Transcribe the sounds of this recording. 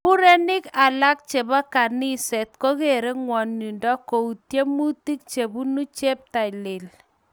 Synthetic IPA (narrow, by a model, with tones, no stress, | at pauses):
u˦ɾe˦nɪ˦ka˨la˦k̚t͡ʃe˨ba˦ka˨ni˦sɛ˨t̚ko˦ke˨ɾe˦ŋwɔ˨nːi˨ndɔ˦ko˨u˨tje˦mu˦ti˦k̚t͡ʃe˨bu˦nu˦t͡ʃe˦p̚ta˨i˨le˨l